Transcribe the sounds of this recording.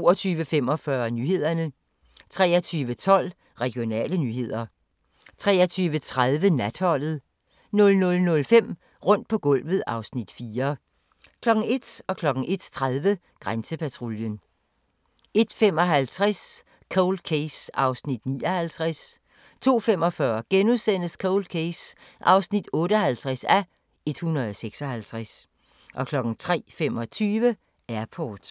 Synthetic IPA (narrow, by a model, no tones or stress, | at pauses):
oːɒt͡sʰyːʋəfem̰ɒ̽fɶɐnyːhe̝ð̞̰ˠɐnə | t͡sʰʁɛ̰ːɐt͡sʰyːʋət͡sʰɒ̽l̰ | ʁɛɡ̥ijo̝nɛ̰ːlənyːɦe̝ð̞̰ˠɐ | t͡sʰʁɛːɐt͡sʰyːʋət͡sʰʁaðˠʋənæd̥hɒ̽l̰ð̩ˠ | nɔ̽lnɔ̽lnɔ̽lfem̰ | ʁɔ̽n̰d̥̚pʰɒ̽ɡ̥ɔ̽l̰ʋð̩ˠɑ̈ʊsnid̥fiːɐ | kʰlɒ̽ɡ̥ŋ̩e̝d̥ɒ̽kʰlɒ̽ɡ̥ŋ̩ʔe̝d̥t͡sʰʁaðˠʋə | ɡ̥ʁansəpʰæt͡sʰʁoljən | e̝d̥fem̰ɒ̽ɦælt͡sʰʁas | kʰoʊld̥̚kʰesɑ̈ʊsnid̥niːɒ̽hælt͡sʰʁas | t͡sʰo̝̰ːfemɒ̽fɶɐɡ̥enuðˠsen̰əskʰoʊld̥kʰesʔɑ̈ʊsnid̥ɔ̽ːɾəɒ̽ɦælt͡sʰʁasæ | e̝d̥hunɐð̩ˠseɡ̥sɒ̽hælt͡sʰʁas | ʔɒ̽kʰlɒ̽ɡ̥ŋ̩t͡sʰʁɛ̰ːfemɒ̽t͡sʰyːʋə | æɐpʰɒːd̥